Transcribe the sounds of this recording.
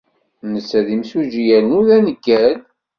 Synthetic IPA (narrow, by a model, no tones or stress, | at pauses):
nəsːæðimsuʒijælnuðænəɡːæl